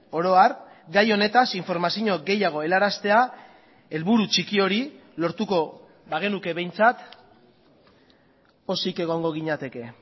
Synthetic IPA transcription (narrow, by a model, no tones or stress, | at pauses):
o̞ɾo̞aɾ | ɡajo̞ne̞t̪asiɱfo̞ɾmasiɲo̞ɡe̞jaɣ̞o̞e̞laɾast̪e̞a | e̞lβuɾut͡ʃikio̞ɾi | lo̞ɾt̪uko̞ | βaɣ̞e̞nuke̞βe̞jnt͡sat̪ | o̞sike̞ɣ̞o̞ŋɡo̞ɣ̞iɲat̪e̞ke̞